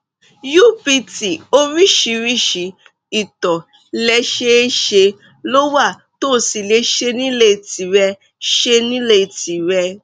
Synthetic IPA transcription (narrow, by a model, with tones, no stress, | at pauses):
ju˦˨pi˧ti˨o˧ɾi˦ʃi˧ɾi˦˨ʃi˨˦ | i˨tɔ˨ | lɛ˧ʃe˦ʃe˧ | lo˦wa˦˨ | to˦˨si˨le˧˦ʃe˧nĩ˦le˦˨ti˨ɾɛ˧ | ʃe˧nĩ˦le˦˨ti˨ɾɛ˧˦